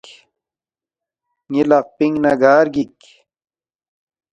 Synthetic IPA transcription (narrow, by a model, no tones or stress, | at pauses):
ŋilɐq̚piŋɡnɐɡaːɾɡik